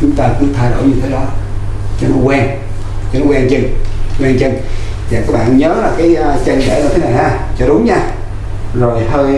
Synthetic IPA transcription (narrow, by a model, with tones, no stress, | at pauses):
t͡ɕʊ˨˦ŋ͡mt̪aː˧kʊ̰˧˦˥ŋ͡mt̪ʰaː˧jɗo̰˧˩jɲɨ˧t̪ʰe˨˦ɗɔ˨˦ | t͡ɕɔ˧nɔ˨˦kwɛː˧ŋ | t͡ɕɔ˧nɔ˨˦˥wɛː˧ŋt͡ɕə˧ŋwɛ˧ŋt͡ɕə˧ŋ | vaː˨˩kaː˦˥k̚ɓa̰ː˧˨nɲəː˨˦laː˨˩kaː˨˦jt͡ɕə˧nɗɛ̰˧˩na˧t̪ʰe˨˦na˨˩jʔaː˨˧˩ | t͡ɕɔ˧ɗʊ˨˦ŋ͡mɲa˧ | zo˨˩jhəː˧j